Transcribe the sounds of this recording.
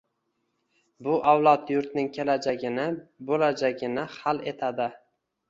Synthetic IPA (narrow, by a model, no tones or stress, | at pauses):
bʊʔawlˠɒt̪jʊɾt̪nɪŋkʲʰe̞lad͡ʒaɡʲɪnɪbolad͡ʒaɡʲɪnɪhale̞t̪ʰad̪ɪ